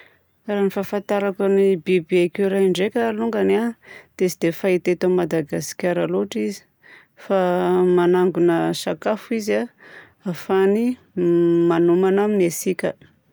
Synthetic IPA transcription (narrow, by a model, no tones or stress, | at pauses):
ranifafant̪aɾakanibibeakeɾaɳɖ͡ʐekʲaluŋɡanad̪̥esid̪̥efait̪et̪omad̪aɡasi̥kʲaɾaloʈ͡ʂizi̥ | famanaŋɡunəsakafuiza | afani | manumanaminesikʲə